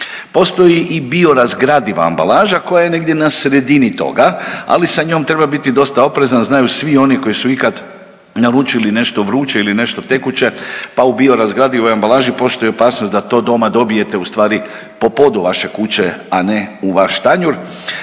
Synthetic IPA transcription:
po̞st̪o̞jiʔibio̞ɾazɡɾad̪iʋa̰a̰mba̰lˠaːʒako̞jaje̞ne̞ɡd̪je̞nasɾe̞d̪init̪o̞̰ɡaa̰lisaɲo̞ːmt̪ɾe̞babit̪id̪o̞st̪ao̞pɾe̞zanznajusʋio̞niko̞jisuikad̪ | naɾut͡ʃiline̞ʃt̪o̞ʋɾuːt͡ɕeiline̞ʃt̪o̞t̪ekut͡ɕe̞paubio̞ɾazɡɾad̪iʋojambalˠaːʒipo̞st̪o̞jio̞paːsnosd̪at̪o̞ːd̪o̞mad̪o̞bije̞t̪e̞ust̪ʋaːɾi | po̞po̞d̪uʋaʃe̞kut͡ɕeaneuʋaʃt̪aɲuɾ

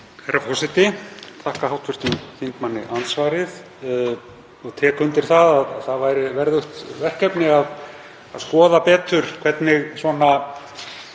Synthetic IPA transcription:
hajɾafɔsɪt̪ɪt̪ʰahkahawt̪vʏɾst̪ʏmθiŋk̪manːɪʔant̪svaːɾɪð | ɔɣt̪ʰɛkʰʏnt̪ɪɾ̥θaðaðaðθaðvajɾɪvɛɾðʏht̪vɛr̥kɛpnɪað | aðskɔːðapɛːt̪ʏɾ̥kʰvɛt̪nɪɣsvɔna

